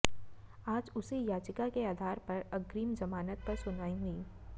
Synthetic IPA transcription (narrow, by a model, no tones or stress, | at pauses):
aːd͡ʒʊsijaːt͡ʃɪkakeaːd̪ʱaːɾpɐɾɐɡɾiːmd͡ʒɐmaːnət̪̚pɐɾsʊnaːẽŋɡiː